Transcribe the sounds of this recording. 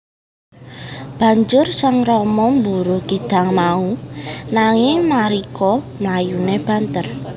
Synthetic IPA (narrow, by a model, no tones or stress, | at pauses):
b̥ä̤ɲd͡ʒʊrsaŋrɔmɔmbuɾuɡ̥id̪̥a̤ŋmaunaŋɪŋmaɾikɔ | mlajuneb̥a̤nt̪ər